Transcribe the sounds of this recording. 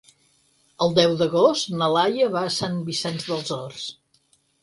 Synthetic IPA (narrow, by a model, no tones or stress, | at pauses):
əlˠd̪ɛwd̪əɣost̪nəlajəβaːsanbisɛnzðəlˠzɔrs